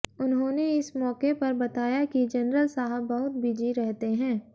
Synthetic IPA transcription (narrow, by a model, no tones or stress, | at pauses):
ʊnɦõːneɪsmɔːkepɐɾbɐt̪aːjakid͡ʒɐnɾəlsaːɦəbːɐɦʊt̪̚bɪd͡ʒiɾɛɦt̪eɦɛ̃ː